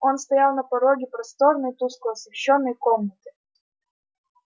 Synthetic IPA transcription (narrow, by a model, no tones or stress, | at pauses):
o̞nst̪ɐjalˠnɐpɐɾoɡʲɪpɾɐst̪oɾnɨjt̪uskʊɐsvʲɪɕːonːəjkomnət̪ɨ̥